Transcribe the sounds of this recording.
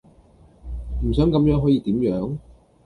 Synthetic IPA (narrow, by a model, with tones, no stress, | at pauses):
m̩˨˩sœː˨˥ŋkɐ˨˧˥mjœː˨˥ŋɦɔː˨˥jiː˧t̪iː˨˥mjœː˨˥ŋ